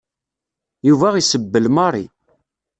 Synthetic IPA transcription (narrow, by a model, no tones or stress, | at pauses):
juvæʁisəbːəlmɑɾˤḭ